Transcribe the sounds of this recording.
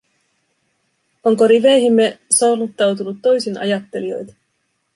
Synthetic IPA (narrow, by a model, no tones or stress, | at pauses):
oŋko̞ɾiʋe̞jɦimːe̞sɑlut̪ːɑwt̪̬unut̪ːo̞jsinɑ̰jɑt̪ːe̞lio̞̰jt̪ɑ̥